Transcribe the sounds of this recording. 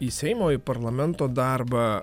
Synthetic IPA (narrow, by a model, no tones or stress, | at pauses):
isʲɛɪmoːɪpɐɾlˠɐmʲɛnt̪oːd̪ɑˑɾbɑ